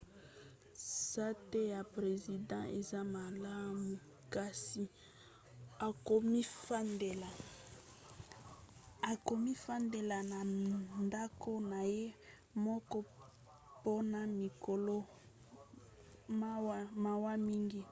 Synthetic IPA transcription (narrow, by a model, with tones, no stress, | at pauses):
sa˦te˦ja˨pʁe˨zi˨dã˦ʔe˨za˦ma˨la˦mu˨ | ka˨si˨ | a˨ko˨mi˦fa˦nde˨la˨ | a˨ko˨mi˦fa˦nde˨la˨na˨nda˦ko˦na˨je˦ | mɔ˦kɔ˦ | po˦na˨mi˨ko˨lo˦ | ma˦wma˨wa˦mi˦ŋɡi˦